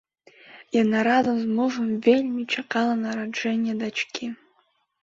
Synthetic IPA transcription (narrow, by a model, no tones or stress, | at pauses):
janaɾazɨmzmɨʐɨmvʲelʲmit͡ʃʰaqɑlˠanaɾaʐenʲiad̪at͡ʃkʰʲi